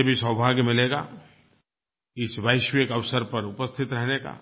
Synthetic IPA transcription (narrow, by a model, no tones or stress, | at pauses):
ebʱisəwbʱaːɡmɪleɡa̰ː | ɪsʋaːɪʃʋekɐʋsəɾpɐɾʊpəst̪ʰɪt̪ɾɛɦneka̰ː